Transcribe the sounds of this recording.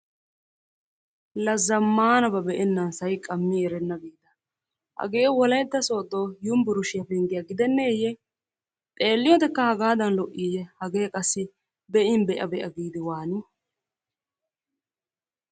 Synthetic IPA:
lɐzːɐmːaːnɐbɐbɛʔɛnːɐnsɐjkʼɐmːiɛɾɛnːɐɡiːd̪ɐ | hɐ̰ɡeːwɔlɐjd̪ːɐso̞ːd̪oːjʊmbʊɾʊʃɪjɐpɛŋɡɪjɐɡɪd̪ɛnːeːjɛ | t̪ʼeːlːɪjot̪ɛkːɐhɐɡaːd̪ɐnlɔʔːiːjɛhɐɡe̞ːkʼɐsːɪ | bɛʔɪnbɛʔɐ̰bɛʔɐ̰ɡiːd̪ɪwaːnɪ

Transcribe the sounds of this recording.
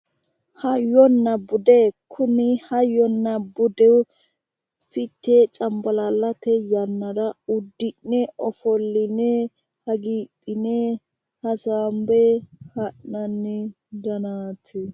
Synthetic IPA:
hɐjɔnːɐbʊd̪ekʰʊnɪhɐjːɔnːɐbʊd̪ɛw | fɪt̪ːet͡ʃʼɐmbɐlalːɐt̪ɛjɐnːɐd̪ɐʊd̪ːɪnːɛʔɔfɔlːɪnɛ | hɐɡiːpʼːɪnɛ | hɐsaːmbɛhɐʔnɐnːɪ | d̪ɐnaːt̪ʰɪ

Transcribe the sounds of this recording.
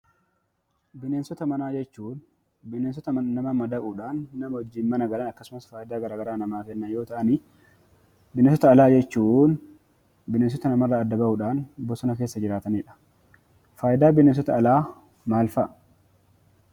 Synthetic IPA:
bɪneːnsɔt̪ɐmɐnaːd͡ʒɛt͡ʃːuːn | bɪneːns̬ɔt̪ɐɐnɐmɐmɐd̪ɐʔuᶑaːnːɐmɐhɔd͡ʒːiːnmɐnɐɡɐlɐnɐkːɐsʊmɐsfaːjɪd̪aːɡɐɾaːɡɐɾaːnɐmaːkɛnːɐjo̞ːt̪ɐʔɐni | bɪnens̬ɔt̪ɐːlaːd͡ʒɛt͡ʃːuːn | bɪneːns̬ɔt̪ɐnɐmɐrːɐːd̪ːɐbɐʔʊᶑaːnbɔsɔnɐkeːsːɐd͡ʒɪɾaːt̪ɐniːᶑɐ̥ | faːjɪd̪aːbɪneːns̬ɔt̪ɐːlaː | maːlfɐʔ

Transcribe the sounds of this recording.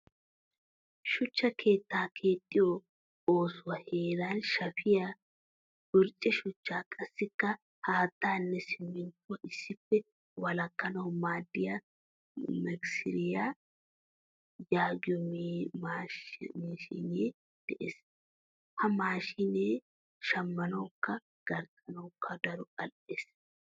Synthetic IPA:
ʃʊt͡ʃːɐkʰe̞ːt̪ːaːkʰe̞ːt̪ʼːɪjo | o̞ːsʊwɐheːɾaːnʃɐfɪjɐ | ɡ̥ʊɾt͡ʃʼɛʃʊt͡ʃːaːkʼɐsːɪkːɐ | haːt̪ːaːnːɛsɪmːɪnt̪ːʊwɐɪsːɪfːɛ | wɐlɐkːɐnɐwmaːd̪ːɪjɐ | mɛksɪɾɪjaː | jaːɡɔmmamiʃḭneː | d̪̥ɛʔes | hɐmaːʃɪneː | ʃɐmːɐnoːkːɐ | ɡ̥ɐɾt̪ɐnoːkːɐd̪ɐɾʊkʼɐlʔes

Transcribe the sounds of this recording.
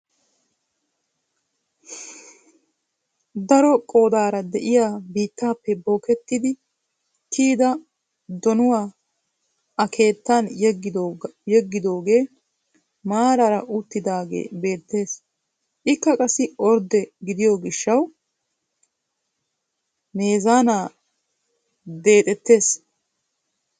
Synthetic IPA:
d̪ɐɾɔkʼo̞ːd̪aːɾɐd̪ɛʔɪjaːbiːt̪ːaːpːɛbo̞ːkɛt̪ːɪd̪ɪ | t̪ʰiːd̪ɐ | d̪ɔnʊwaː | ɐkʰe̞ːt̪ːɐn | jɛɡːɪd̪o̞ːɡe̞ː | maːɾɐɾɐʔʊt̪ːɪd̪aːɡḛːbe̞ːt̪ːe̞ːs | ʔɪkːɐkʼɐsːɪɔɾd̪ɛɡɪd̪ɪjoɡɪʃːɐw | me̞ːzaːnaː | d̪e̞ːt̪ʼɛt̪ːe̞ːs

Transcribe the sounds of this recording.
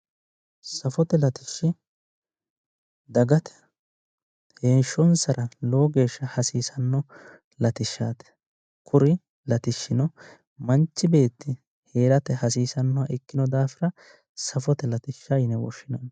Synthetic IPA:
sɐfɔt̪ɛlɐt̪ɪʃːɪ | d̪ɐɡɐt̪ɛ̥ | heːnʃːɔnsɐɾʔɐlo̞ːɡe̞ːʃːɐhɐsiːsɐnːɔ | lɐt̪ɪʃːaːt̪ɛ̥ | kʰʊɾɪ | lɐt̪ɪʃːɪnɔ | mɐnt͡ʃːɪbe̞ːt̪ːɪ | he̞ːɾɐt̪ɛhɐs̬iːsɐnːɔwɐʔɪkːɪnɔd̪aːfɪɾɐ | sɐfɔt̪ɛlɐt̪ɪʃːajɪnɛwɔ̰ʃːɪnɐn

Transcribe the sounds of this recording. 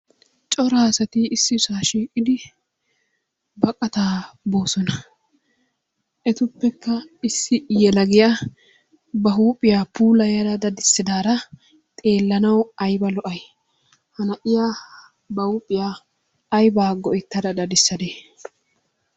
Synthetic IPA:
t͡ʃʼɔɾaːsɐt̪iɪsːɪsaːʃiːkʼːɪd̪ɪ | bɐkʼːɐt̪aːbo̞ːsɔnɐ | ʔɛt̪ʊpːɛkːɐɪsːɪjɛlɐɡɪja | bɐɦuːpʼːɪjaːpuːlɐjɐɾɐd̪ɐd̪ɪsːɪd̪aːɾɐ | t̪ʼe̞ːlːɐnɐwɐjbɐlɔʔɐj | hɐnɐʔɪjaː | bɐhuːpʼːɪjaː | jbaːɡɔʔɪt̪ːɐd̪ɐd̪ɐd̪ɪsːɐd̪eː

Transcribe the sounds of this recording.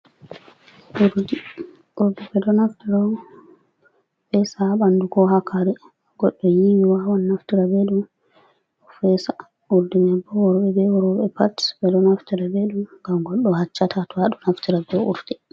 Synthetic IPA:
ʔuɾdi | ʔuɾdibɛdɔnaftiɾa | bɛsaɓanduɡɔɦakʰaɾɛ | ɡ̥ɔɗːɔjiwiwawanːaftiɾabeɗum | ɔfɛsa | uɾdiɲabːɔwɔɾbɛbɛwɔɾɔɓɛpatbɛdɔnaftiɾabeɗumɡamɡɔɗːɔhat͡ʃːatʰatɔaɗɔnaftiɾabɛṵɾdɛ

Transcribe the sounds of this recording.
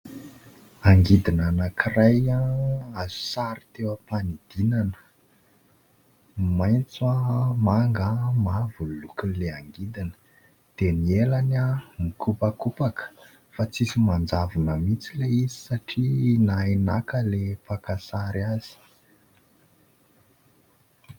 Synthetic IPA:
aŋɡid̪inanakʰirajaazu̥saɾi̥t̪ewəpanid̪̥inanə̥ | majnt͡samaŋɡamavulukileaŋɡid̪inə̥ | d̪̥enielanamikupakupakə̥ | fat͡sisimand͡zavunəmit͡sileizi̥saʈ͡ʂinaena̰kəlepakasaɾaz̥i̥

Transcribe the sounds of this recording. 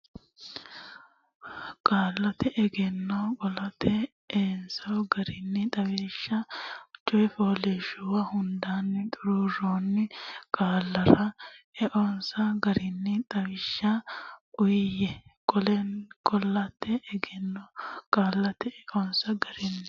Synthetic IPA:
kʼaːlːɐt̪ɛʔɛɡɛnːɐkʼɔlɐt̪ʰːɛ | eːnsɐwɡɐɾɪnːɪt̪ʼɐweːʃːɐt͡ʃʼɔjfoːleːʃʊwɐhʊnd̪aːnːɪt̪ʼʊɾuɾoːnːɪkʼaːlːɐɾɐɛʔɔnsɐɡɐɾɪnːɪt̪ʼɐwɪʃːɐʊjjɛkʼɔlɛnkʼɔlːɐt̪ːɛʔːɡɛnːokʼaːlːɐt̪ɛɛʔɔnsɐɡɐɾɪnːɪ

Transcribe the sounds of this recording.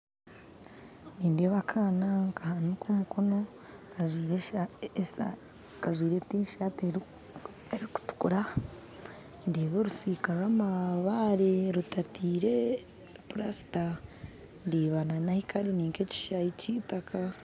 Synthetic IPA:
niːndeβakʰaːnaŋkahanukomukʰono̞ | aʒɾ | kaʒwiːɾetiːʃate | eɾiku̥tu̥kuɾa | ndeːβeɾusiːkaɾwaːmaβaɾeɾutatiːɾe | puɾasi̥ta | ndiβananahikaɾiniːŋkeci̥ʃaicitakʰa

